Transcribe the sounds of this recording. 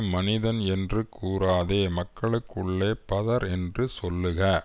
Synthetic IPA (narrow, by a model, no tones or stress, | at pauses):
mɐnɪðɐnɛndrɯkʰːuːɾaːðeːmɐkːɐɭɯkːɯɭːeːpɐðɐɾɛndrɯsɔlːɯɣɐ